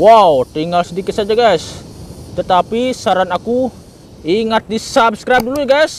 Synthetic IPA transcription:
wawt̪iŋɡalsədikɪt̪sad͡ʒaɡajs | t̪ət̪apisaɾanaku | iŋat̪̚disabskɾajp̚duluaɡajs

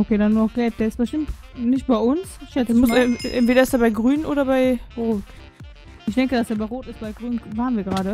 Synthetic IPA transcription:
ʔokʰeːdanuːnɔɡ̥ɛlp̚d̥eːɐɪstb̥əʃtɪmtnɪçt̚b̥aɪʊnsɪʃɛt͡smʊsʔɛntv̥eːɾɐɪsdeːɐbaɪɡʁyːnnʔo̰ːɾɐbaɪʁoːt | ɪçd̥ɛŋkədasdeːɐbaɪʁoːtɪstb̥aɪɡʁyːnənvaːʁnviːɐɡəʁaːɾə

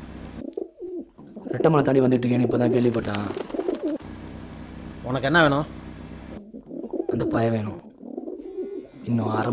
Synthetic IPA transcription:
ɾɛʈːɐmɐnɐt̪aːɳɖiʋɐnd̪iʈːɯkːeːnipːoːt̪ãːkeːɭʋip̬ːɐːʈːãː | ɔnɐkːɛnːɐʋeːɳʊ̃ | ɐnd̪ɐpaːjɐʋeːɳʊ̃ | ɪnːõːaːɾɐ

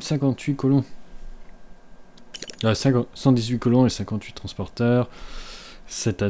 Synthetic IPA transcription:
sɛ̃kɑ̃t̪ɥikɔlɔ̃ | sɛ̃ksɑ̃d̪izɥikɔlɔ̃esɛ̃kɑ̃t̪ɥit̪χɑ̃spɔʁt̪œːʁ | sɛt̪a

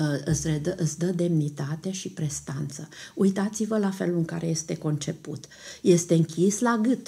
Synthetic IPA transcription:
ɨsʲred̪əʔɨt̪sʲd̪əd̪e̞mnit̪at̪eʃipɾe̞st̪ant̪səujt̪at̪sivəlafe̞̰luɨŋka̰ɾe̞je̞st̪e̞ko̞nt͡ʃe̞pṵt̪ | je̞st̪e̞ɨŋkʲislaɡɨt̪

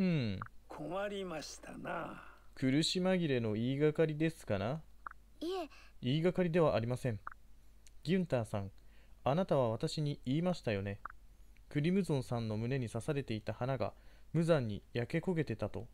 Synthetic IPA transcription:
ɯ̟̃ɴkʰomaɾʲimaɕi̥t̪a̰nakʰɯ̟ɾɯ̟ɕimaɡʲiɾe̞no̞iːɡakaɾʲid̪e̞sɨ̥kana | iːɡakaɾʲid̪e̞β̞aʔːɾʲimasẽ̞ŋ | ɡʲɯ̟̃nt̪aːsãŋanat̪aβ̞aβ̞at̪aɕiɲ̟iiːmaɕi̥t̪ajo̞ne̞kɯ̟ɾʲimɯ̟zõ̞ɰ̃sãnːo̞mɯ̟ne̞ɲ̟isasaɾe̞t̪e̞it̪ahanaɡa̰mɯ̟zãɲ̟ːijake̞ko̞ɡe̞t̪e̞t̪at̪o̞

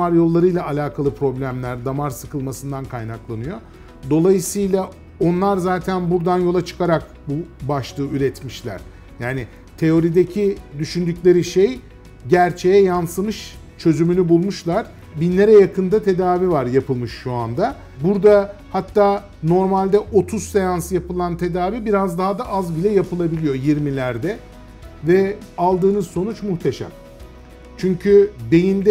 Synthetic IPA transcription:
aɾjo̞lˠːaɾɯjlʲˠaʔalʲaːkʰalˠɯpʰɾo̞blʲæmlʲæɾd̪amaɾsɯkʰɯlˠmasɯnd̪ankʰajnaklˠanɯjo̞ | d̪o̞lˠajɯsɯjlˠa | o̞nlˠaɾzaːt̪ʰænbuɾd̪anjolˠat͡ʃʰɯ̥kʰaɾak̚ | bubaʃlˠɯːyɾɛt̪miʃlʲæ̰ɾ̥ | jaːnɪ | t̪ʰe̞o̞ɾid̪ecʰid̪yʃynd̪ycʲlʲe̞ɾiʃej | ɟæɾt͡ʃʰe̞jɛjansɯmɯʃ | t͡ʃʰø̞zymynybulˠmuʃlˠaɾ̥ | binlːʲeɾɛjakʰɯnd̪at̪ʰe̞d̪aːvivaɾjapʰɯlˠmɯʃːua̰nd̪a | buɾd̪ahat̪ːaː | no̞ɾmalʲd̪ɛʔo̞t̪ʰuzsejansjapɯlˠant̪ʰe̞d̪aːvibiɾazd̪aɦad̪aʔazbilʲɛjapɯlˠabilʲijo̞jiɾmilʲæɾd̪ɛ | vɛalˠd̪ɯːnɯzso̞nut͡ʃmuht̪ʰe̞ʃæ̰m | t͡ʃʰyɲcʰybe̞jind̪ɛ

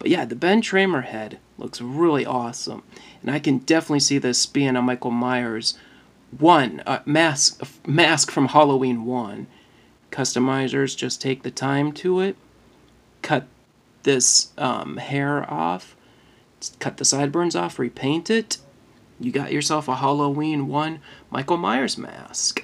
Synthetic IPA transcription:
b̥ʌt̚jæðɨbɛ̃ntʰɹ̥ẽɪ̃mə˞hɛd̥̚lʊ̰ksɹɪlˠiʔɔsə̰̃mɨ̃naɪkɨ̃ndɛfənətˡlisiðɪsb̥iɨ̃ŋəmaɪkl̩ˠmaɪə˞z | wʌ̃nʌ̰mæsʌmæskfɹʌ̃mhɑlˠoʊĩnwʌ̃n | kʰʌstɨmaɪzə˞zd͡ʒʌstʰeɪk̚ðɨtʰãɪ̃mtʰɨɪt̚ | kʰʌt̪̚ | ðɪsʔʌ̰̃mhɛɹɔ̰f | kʰʌt̪̚ðɨsaɪd̚bɜ̃˞nzɔfɹipʰẽɪ̃ntɪt | jɨɡɑ̰t͡ʃə˞sɛlˠfəɦɑlˠoʊwĩnwʌ̃nmʔa̰ɪkl̩ˠma̰ɪə˞zmæ̰sk

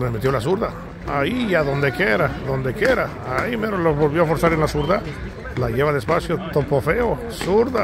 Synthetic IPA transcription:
meme̞t̪jo̞las̬uɾða | aijaðo̞nd̪e̞keɾaðo̞nd̪e̞kjeɾa | aimeɾoloβolβjoafo̞ɾsaɾenlasuɾða | laʝeβaðespasjo̞t̪opofeo | suɾða

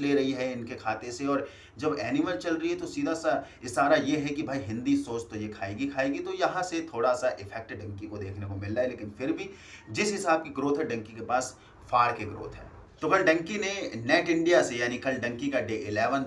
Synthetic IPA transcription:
leːɾɐɦiɦɛɪnkekʰaːt̪eseɔːɾ | d͡ʒɐbɛːnɪməɾt͡ʃɐlɾɐiɦɛt̪osiːd̪ʱasaɪsaːɾajeɦɛkibʱaːiɦɪ̃nd̪isoːt͡ʃt̪ojekʰaːeːɡikʰaːeɡit̪ojɐɦãset̪ʰoːɽasaʔɪfʰɛk̚ʈɖɐ̃ŋkikod̪eːkʰnekomɪlːaɛleːkɪ̃nfɪɾbʱi | d͡ʒɪsɦɪsaːb̚kiɡɾoːt̪ɦɛɖɐ̃ŋkikepaːs | faːɽkeɡɾo̰ːt̪ʰɦɛ̰ː | t̪okɐlɖɐ̃ŋkinenɛːʈɪ̃ɳɖijasejaːnikɐlɖɐ̃ŋkikaɖeːʔɪlɛːʋən

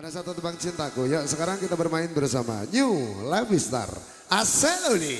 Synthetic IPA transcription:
baɾasat̪ut̪ubaŋt͡ʃint̪akujasəkaɾaŋkit̪abərmaɪnbəɾusama̰ɲulabist̪a̰r | asɛloli

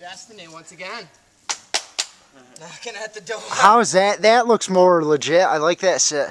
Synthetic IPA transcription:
æs̚ðɨnẽɪ̃mwʌ̃nsɨɡɛ̃n | nkɨ̃nætðɨdohaʊɨzðɨt̚ðɨtˡlʊksmɔɹələd͡ʒɪta̰ɪlaɪk̚ðɨtsɪt

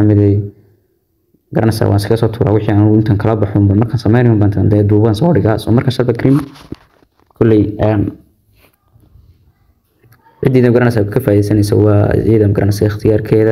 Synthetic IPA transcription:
ɐmɪðɛj | ɡɐɾɐnɛsa̰wʔa̰nɪskɣɐsɔːt̪ʰuːɾa̰ːwɪħiːaːnʊɪnt̪ʰaːŋkʰɐlɐbɑħʊːmbɐmɐrkʰaːnsɐmɛjnɪjʊmbaːnt̪ʰɐnd̪ɛːd̪uːβɐnsɔːɽɪɣasɔmɐrkʰaʃɐbɐkʰɾɪm | kʰʊlːɛjn | ʕɪd̪ʕiːðɐmɡɐɾɐnɛsaːkʰɐfaːiðɛjsɐnɛjsɛ̰wɑːʕiːðɐmɡɐɾʔɐ̰nɛskʰɐɪxt̪ʰɪjaːrkʰɛːðɐ

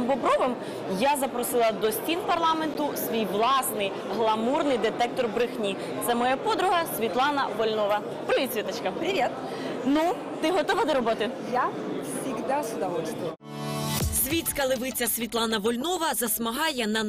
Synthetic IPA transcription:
mbɔbɾɔʋɪm | jazɐpɾɔsɪlˠɐd̪ɔsʲtʲinpɐrlˠɑme̞nt̪ʊsʲʋʲijʋlˠɑsnɪj | ɦlˠɐmurnɪjd̪et̪ɛk̚t̪ɔrbɾɪxnʲi | t̪sɛmɔjapɔd̪ɾʊɦɐsʲʋʲit̪lˠɑnɐ̰ʋɔlʲnɔʋɐ | pɾɔʋʲisʲʋʲit̪ɐt͡ʃkɐpɾʲiet̪ | nu | t̪ɪɦɔt̪ɔʋɐd̪ɔɾɔbɔt̪ɪjasʲiɣd̪asʲʊd̪ɐʋɔlʲsʲt̪ʋɔ | sʲʋʲit͡sʲkɐlˠeʋɪt͡sʲɐsʲʋʲit̪lˠɑnɐʋɔlʲnɔʋɐzɐsmɐɦɑjɛnɐ

